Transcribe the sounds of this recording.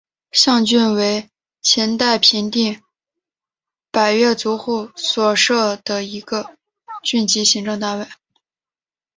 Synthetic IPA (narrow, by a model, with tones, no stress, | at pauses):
ɕjɑ˥˧ŋt͡ɕy˥˩nwe˧˥ɪ | t͡ɕʰjɛ˧˥nt̪a˥˩ɪpʰi˧˥nt̪i˥˩ŋ | pa˨˩ɪɥɛ˥˩t͡su˧˥xu˥˩swɔ˨˩ʂɤ˥˩d̪̥ə˩i˧˥ɡə˧ | t͡ɕy˥˩nt͡ɕi˧˥ɕi˧˥ŋʈ͡ʂɤ˥˧ŋt̪a˥˧nwe˥˩ɪ